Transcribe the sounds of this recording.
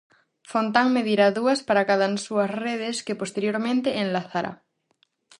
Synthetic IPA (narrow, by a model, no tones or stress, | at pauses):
font̪aŋmeðiɾaðuaspaɾakaðansuasreð̞eskepost̪eɾjoɾmẽnt̪eʔːnlaθaɾʔa̰